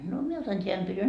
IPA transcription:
no mie otɑn tʲeæn pytyn

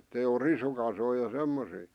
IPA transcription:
etːei o risukɑsoi jɑ semːosiː

